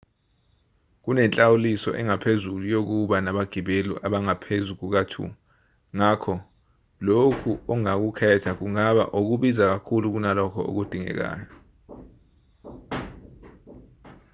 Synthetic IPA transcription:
k̬unɛnt͡ɬʼawulisɔ̰ʔɛŋapʰezulujok̬uɓanaɓaɡ̥ʱiɓeluʔaɓaŋapʰezuk̬uk̬atʰṵu | ŋakʰɔ | lokʰuɔŋak̬ukʰɛtʰak̬uŋaɓa̰ʔok̬uɓizak̬akʰuluk̬unalɔkʰɔ̰o̰k̬ud̥ʱiŋɛ̰k̬a̰ːjɔ

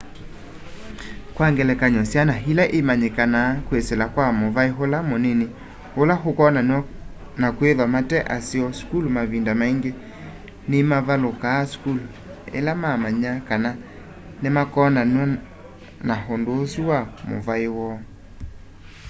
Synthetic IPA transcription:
kwaŋɡɛlɛkaɲɔsjanaɦilaʔemaɲekanaːkwesɛlakwamovaeɦolamonene | holaɦokɔnanwɔ | nakweðwamatɛʔasiɔskulmaβindamaiŋɡe | nemaβalokaːskul | ḛlamamaɲakana | nemakɔnanɔ | naɦondoːsuwamo̰vaewɔ

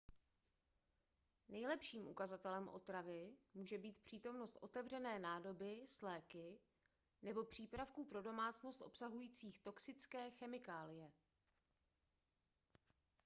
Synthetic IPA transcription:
nɛjlɛpʃiːmʔukazat̪ɛlɛmʔo̞̰t̪ɾavɪmuːʒɛbiːt̪pr̝̥iːt̪o̞mno̞st̪ʔo̞t̪ɛvr̝ɛnɛːnaːdo̞bɪslɛːkɪ | nɛbo̞pr̝̥iːpɾafkuːpɾo̞do̞maːt͡sno̞st̪ʔo̞̰psaɦujiːt͡siːxt̪o̞ksɪt͡skɛːxɛmɪkaːlɪjɛ

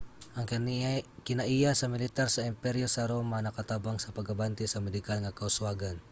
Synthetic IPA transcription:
ʔɐŋ | kɪnaʔijasɐmɪlɪt̪aɾsɐɪmpɛɾjosɐɾomanɐkat̪abaŋsɐpɐɡabant̪ɪsɐmɛd̪ɪkalŋakaʊswaɡan

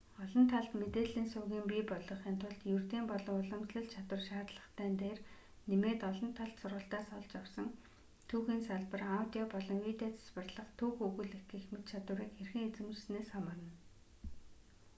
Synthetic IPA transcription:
ɔɮɞ̆nt̪ʰaɮt̪met̪eːɮiːnsʊːɣiːmpiːpɔɮɞ̆χiːnt̪ʰʊɮt̪jɵrt̪iːmpɔɮɞ̆ŋʊɮə̆msɮə̆ɮt͡ɕʰat̪wə̆rʃaːt̪ɮə̆χt̪ʰæːnt̪eːr | nemeːt̪ɔɮɞ̆nt̪ʰaɮt̪sʊrʁə̆ɬt̪aːsɔɮt͡ɕawsɞ̆ŋ | t̪ʰuːxiːnsaɮpə̆rawt̪ʲiɔpɔɮɞ̆ŋwiːt̪eːt͡sʰḁspə̆rɮə̆χt̪ʰuːxuɣɵ̆ɮekɘ̆xmɘ̆t̪t͡ɕʰat̪ʊːɾiːkxerxɘ̆ŋet͡sɘ̆mrsneːsχamə̆rə̆n

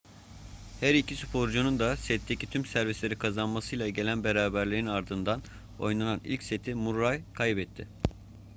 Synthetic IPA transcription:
hæɾicʰisypʰo̞ɾd͡ʒunund̪asɛt̪ʰːecʰit̪ʰymsæɾvislʲe̞ɾikʰazanmasɯjlˠaɟe̞lʲænbe̞ɾaːbæɾlʲeɾinaɾd̪ɯnd̪an | o̞̰jnananḭlʲcset̪ʰimuɾːajkʰajbɛt̪ʰːɪ

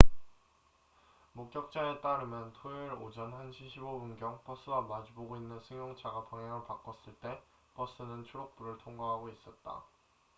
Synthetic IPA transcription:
mok̚k͈jʌk̚t͡ɕ͈aet͈aɾɯmjʌntʰoiɾod͡ʑʌnhanɕʰiɕʰibobunɡjʌŋp͈ʌs͈ɯɡamad͡ʑiboɡoinːɯnsʰɯŋjʌŋt͡ɕʰaɡapʌŋjaŋɯɭpak͈ʌs͈ɯɭt͈e̞ | p͈ʌs͈ɯnɯnt͡ɕʰuɾok̚p͈uɾɯɭtʰoŋɡʌɦaɡois͈ʌt̚t͈a̰

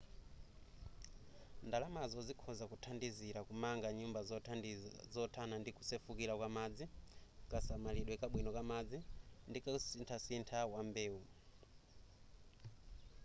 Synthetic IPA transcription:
ndalamazɔd͡zikʰɔzakutʰandiziɾakumaŋɡaɲumbaz | zɔtʰanandiku̥sɛfukiɾakwamad͡zikasamaliɗwɛkaɓwinɔkamad͡zindikasintʰasintʰawambeːu

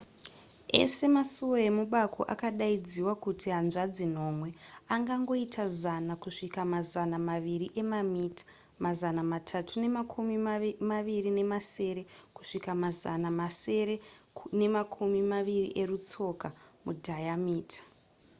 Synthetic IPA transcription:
e̞̰se̞masuwo̞je̞muɓakʰo̞̰ʔa̰kaɗaid͡ziwakutiɦanʐad͡zin̤o̞mwe̞aŋɡaŋɡo̞itʰazanakuʂikamazanamaʋiriʔe̞mamiːtʰḁ | mazanamatʰatʰune̞makʰumimaʋirine̞mase̞ɾe̞ku̥ʂikamazanamase̞ɾe̞ne̞makʰumimaʋirḭʔerut͡so̞kamudʱajamiːtʰḁ

